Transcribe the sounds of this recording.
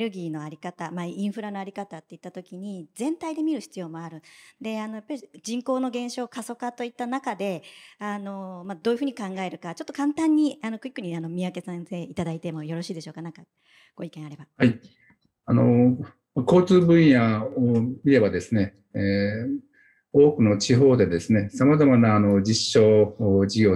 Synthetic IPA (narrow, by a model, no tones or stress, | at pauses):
ɾɯ̟ɡʲiːno̞aɾʲikat̪amaĩɰ̃ɸɯ̟ɾano̞aɾʲikat̪at̪ːe̞it̪ːat̪o̞kʲiɲ̟id͡zẽ̞nt̪aid̪e̞mʲiɾɯ̟çi̥t͡sɨjo̞ːmo̞aɾɯ̟d̪e̞ano̞japːaɾʲid͡ʑĩŋko̞ːno̞ɡẽ̞ɰ̃ɕo̞ːkaso̞kat̪o̞it̪ːanakad̪e̞ano̞mad̪o̞ːjɯ̟ɸɯ̟ːɲikãŋɡae̞ɾɯ̟kat͡ɕo̞t̪ːokãnt̪ãɲ̟ːiano̞kɯ̟ikːɯ̟ɲ̟iano̞mʲiake̞sẽse̞ːit̪ad̪ait̪e̞mo̞jo̞ɾo̞ɕiːd̪e̞ɕo̞ːkanãŋka | ɡ̥o̞ikẽɰ̃aɾe̞bahai | ano̞ | mako̞ːt͡sɨːbɯ̟̃ɰ̃jaomʲiɾe̞bad̪e̞sɨne̞ | o̞ːkɯ̟no̞t͡ɕiɦo̞ːd̪e̞d̪e̞sɨne̞samazamanaːno̞d͡ʑiɕːo̞ːd͡ʑiɡʲo̞ː